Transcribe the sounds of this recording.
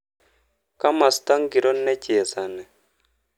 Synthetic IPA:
ka˦ma˨sta˦ŋɡi˨ɾɔ˦nːɛ˦cɛ˨ɛ˨sa˨nɛ˨

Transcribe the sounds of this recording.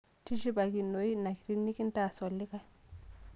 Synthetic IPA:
ti˦ʃi˦ba˨ɡi˨no˨˦i˦na˨ki˨ɾi˦nːi˦ki˦nta˦˨so˨lːi˦ka˦

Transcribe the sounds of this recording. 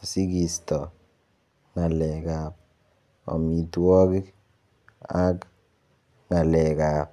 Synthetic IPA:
si˦ki˨stɔ˨ | ŋa˨lɛ˨ɡa˨p̚ | ɔ̰˨mi˨twɔ˦ki˦ | a˦k | ŋa˨lɛ˨ka˨p̚

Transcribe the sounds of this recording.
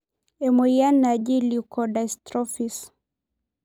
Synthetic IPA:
ɛ˨mɔja˦nad͡ʒi˦likɔda˨jstɾɔ˦fis

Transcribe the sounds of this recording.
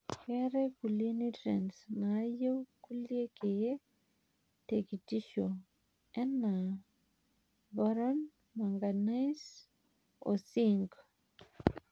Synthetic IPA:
kɛ˦ɾɛ˦ku˨lje˦ni˦tɾɛ̰˨nsna˨˦je˦wku˦lje˦ke˨e˦ | te˨ki˨ti˦ʃo˨ | ɛ˦nːa˨ | ba˦ɾɔ˦n | ma˨ŋɡa˨na˦js | o̰˨si˦ŋɡ

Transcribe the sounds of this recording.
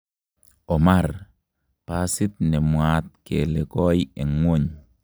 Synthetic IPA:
ɔ˨ma˦˨r | pa˦sɪ˦t̪̚nɛ˨mwa˨t̪̚ke˨lɛ˨kɔ˦iɛ˨ŋwo˦ɲ

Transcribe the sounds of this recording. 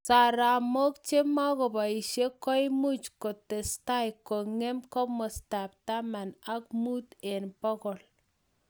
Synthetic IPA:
sa˨ɾa˨mo˦k̚t͡ʃe˦ma˦ko˨ba˨i˨ʃe˦kɔ˦jmu˦t͡ʃko˨te˨sta˦jko˨ŋe˦mkɔ˦mɔ˨sta˨p̚ta˦ma˨na˦k̚mu˦te˨nbɔ˦kɔ˨l

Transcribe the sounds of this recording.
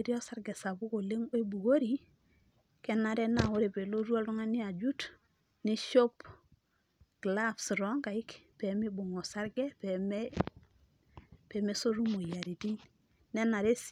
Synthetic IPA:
ɾi˦o˦sa˦ɾɡe˨sa˨bu˦ko˨le˦ŋo˦i˦bu˨ɡo˦ɾi˨ | ke˦na˨ɾe˦na˦˨o˦ɾe˨be˨lo˦ɾu˦a˦lu˦ŋa˦ni˦a˨d͡ʒu˦t | ni˦ʃo˦p | ɡlabsɾɔ˦ŋɡa˨i˦kpe˨mi˦bu˨ŋo˨sa˦ɾɡe˦pe˨me | pe˨me˦so˦ɾu˦mo˨ja˨ɾi˨ti˦n | ne˦na˨ɾe˦s

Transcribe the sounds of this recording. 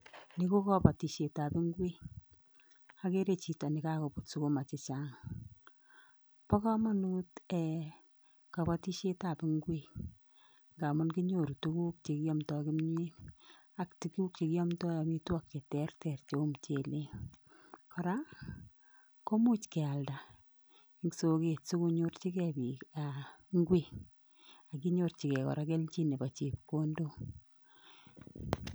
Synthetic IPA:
ni˨ko˦kɔ˦pa˨ti˨ʃe˨ta˨pɪ˦ŋɡwe˦ | a˨ke˦ɾe˨t͡ʃi˨ta˨nɪ˨ka˦ko˨putsu˦ko˦ma˨t͡ʃɪ˨t͡ʃa˦ŋ | pɔ˦kɔ˦ma˦nu˦tɛ˨ | ka˨pati˦ʃe˦ta˨pɪ˨ŋɡwe˦ | ŋɡa˨mʊ˦nki˦ɲo˨ɾu˨tu˦ku˦k̚t͡ʃe˨ki˦ɔ˦mtɔ˧kɪ˦mɲ˦e˦ | a˦kti˨ku˦k̚t͡ʃe˧ki˦jɔ˦mtɔ˦ja˨mi˦twɔ˦k̚t͡ʃe˨tɛ˦rtɛ˨rt͡ʃo˨˦mt͡ʃe˨le˦ | kɔ˨ɾa˦ | ko˦mu˦t͡ʃkɛ˨a˨lda˨ | ŋso˨ke˨tsu˦ku˧ɲo˦rt͡ʃi˦kɛ˨bi˨a˨ŋɡwe˨k | a˨ki˦ɲo˨rt͡ʃi˨kɛ˨kɔ̰˨ɾa˨kɛ˦lt͡ʃi˦ne˨pa˨t͡ʃe˨p̚ko˦ndo˦

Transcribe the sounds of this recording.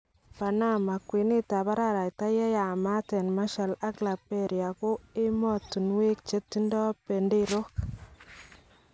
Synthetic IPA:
pa˨na˦ma˨kwi˨nɪ˦ta˨ba˦ɾa˦˨ɾa˨jta˦jɛ˦ja˨ma˦tɛ˨nma˦ʃa˨la˦kla˨pɛ˦ɾja˨kʊ˦ɪ˦mɔ˦tu˨nwe˦k̚t͡ʃe˦tːi˦ndɔ˦pe˨nde˦ɾo˦k

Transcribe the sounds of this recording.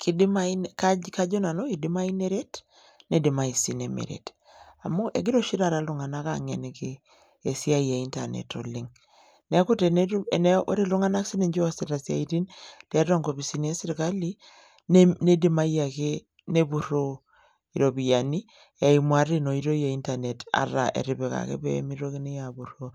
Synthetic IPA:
kʰi˨di˦mai˦nka˦ka˦d͡ʒo˦na˨no˦ki˨di˦ma˦i˦ne˦ɾe˦t | ne˦di˨ma˨i˨si˨ne˨mḛ˨ɾḛ˨t | a˨mo˦ʔe˨ɡi˦ɾo˦ʃi˦ɾa˨ɾa˨˦lu˨ŋa˨na˦ka̰˨ŋɛ˨ne˨keː˨ | si˦a˦˨a˨i˦nta˨nɛ̰˨tɔ̰˨li˦ŋ | ne˦ku˦te˨n˦n˦o̰˦ɾe˦lu˦ŋa˦na˦ksi˦ne˨ɲd͡ʒɔ˦a˦se˨ɾa˨sia̰˨i˦ɾi˦ntɛ˨˦ɾo˦ŋɡo˨bi˨si˦nie˦si˦ɾka˦li˦ | nne˦di˦ma˦ja˨ke˦ | ne˦bu˨ɾo˦ | i˨ɾo˨bi˨ja˨ni˦ | e˨i˨mwa˨ɾi˦no˨i˨ɾo˦ja˨i˦nta˨ne˨ta̰˨ɾa̰˨ʔḛ˨ɾi˨be˨ka̰˨kḛ˦pɛ̰˦mi˦ɾo˦ki˦ni˦ja˨bu˨ɾo

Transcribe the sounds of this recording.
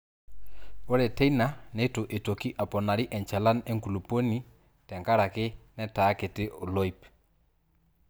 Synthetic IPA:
o˦ɾɛ˨tɛ˦ina˨ne˦tʊ˨ʔe˨to˨ki˦ʔa˨pɔ˨na˨ɾi˦ʔɛ˨ɲt͡ʃɛ˨la˦ne˦ŋku˨lu˨po˦ni˨ | tɛ˨ŋka˦ɾa˨kɪ˦nɛ˦taː˨˦kɪ˨tɪ˦ʔo˨lɔ˦i˦p

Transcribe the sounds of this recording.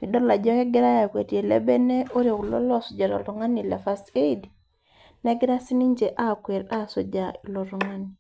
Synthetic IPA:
i˨dɔ˦la˨d͡ʒɔ˦kɛ˦ɡɪ˦ɾa˦ja˨kwe˨tie˨lɛ̰˦bɛ˦nɛ˦o˦ɾjo˨klɔ̰˦lɔ˦su˨d͡ʒa˨ɾɔ̰˨lu˨˦ŋa˦ni˨lḛ˨fa˦se˦d | nɛ˦ɡɪ˦ɾa˦si˦ni˦ɲd͡ʒe˨ʔa˦kwe˨ɾa˦sɔ˨d͡ʒa˨i˨lɔ˨ɾu˦ŋa˦ni˨

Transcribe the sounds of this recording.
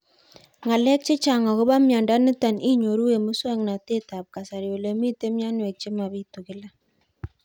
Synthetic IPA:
ŋa˨lɛ˦k̚t͡ʃɪ˦t͡ʃa˨ŋɔ˨kɔ˦ba˦mja˨nda˦ni˦ta˨ni˦ɲo˨ɾu˦we˨mu˦swa˦ŋna˨te˦ta˨p̚ka˨sa˨ɾjo˨le˨mi˦te˦mja˦nwe˨k̚t͡ʃɪ˦ma˨bi˦tu˨kɪ˨˦la˦

